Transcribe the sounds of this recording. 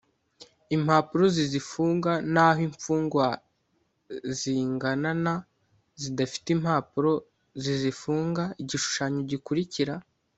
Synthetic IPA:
im̥haːpuɾo̞zizifuːŋɡanaːɦiɱfuːŋɡwa | ziŋɡanana | zidafi̥timhaːpuɾo̞ | zizifuːŋɡaiɟiʃu̥ʃaɲoɟikuɾiciɾa

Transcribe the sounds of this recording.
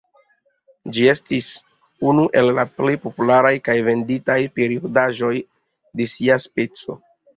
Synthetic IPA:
d͡ʒie̞stis | unuʔe̞llaple̞jpopulaɾajkajve̞nditajpe̞ɾiodaʒo̞j | de̞siaspe̞t͡so̞̰

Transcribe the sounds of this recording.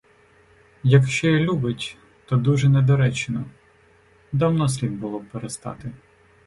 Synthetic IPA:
jɐkʃt͡ʃɔjilʲubɪtʲ | t̪ɔd̪uʒɛnɛd̪ɔɾɛt͡ʃenɔ | d̪awnɔs̬ʲlʲiwbʊlˠɔb̚peɾest̪ɑ̰t̪ɪ

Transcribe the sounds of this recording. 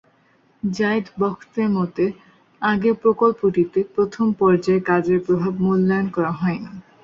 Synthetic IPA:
d͡ʑajd̪bɔkʰt̪eɾmɔt̪e | aɡepɾokolpoʈit̪epɾot̪ʰompɔɾd͡ʑaekad͡ʑeɾpɾobʱabmulːajonkɔɾaɦɔeni

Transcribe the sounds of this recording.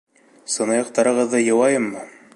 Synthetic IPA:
sɤ̆nɑjɑq̚t̪ɑɾɤ̆ʁɤ̆ðːɤjɤ̆wɑjɤmːɤ

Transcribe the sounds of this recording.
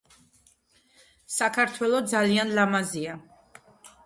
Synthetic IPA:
sakʰaɾt̪ʰwɛlˠɔd̪zalianlamazia

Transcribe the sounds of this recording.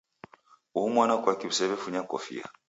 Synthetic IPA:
uumwanakwakiβ̩usɛβɛfuɲakɔ̰fḭa̰

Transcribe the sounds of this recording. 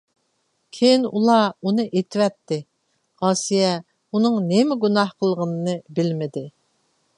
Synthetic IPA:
kʲʰejinulˠɑunɨʔet̪ʰɪwɛt̪ːɪ | ʁɑːsijɛ | unɨŋnemɪɡunɑhqʰəlˠʁənɨnɨbɪlmɪd̪ɪ

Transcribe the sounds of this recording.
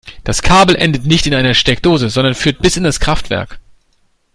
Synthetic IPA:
d̥askʰaːbl̩ʔɛndətnɪçtɪnʔaɪnɐʃtɛk̚d̥oːzəzɔndɐnfyːɐt̚b̥ɪsɪndaskʁ̥aftv̥ɛ̰ɐk

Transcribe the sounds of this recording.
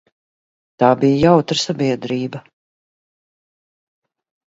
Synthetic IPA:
t̪aːbijjawt̪ɾsabiɛd̪ɾiːbɐ

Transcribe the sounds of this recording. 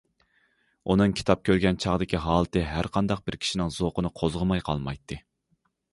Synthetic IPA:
unɨŋkʲʰi̥t̪ʰɑp̚kʲʰøɾɡʲɛnt͡ʃʰɑʁd̪ɪkʲʰiɦɑːlˠɨt̪ɨɦæɾqʰɑnd̪ɑq̚bɪɾkʲʰi̥ʃinɪŋzoqənɨqʰozʁəmɑjqʰɑ̰lˠmɑ̰jt̪ʰːɨ

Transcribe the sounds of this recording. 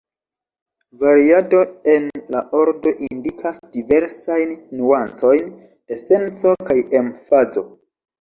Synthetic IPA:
vaɾiadoe̞nlaʔo̞ɾdo̞ʔindikʰasd̥ive̞ɾsajnːuant͡so̞jn | d̥e̞se̞nt͡so̞kaje̞mfazo̞̰

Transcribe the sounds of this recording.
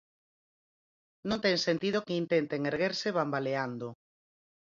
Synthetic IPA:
nõnt̪ɛŋsent̪ið̞okeint̪ent̪eŋeɾɣeɾsɪβambaleand̪o

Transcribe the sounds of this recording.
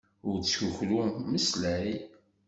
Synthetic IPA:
ʊɾt͡sːçuçluməslæɾi

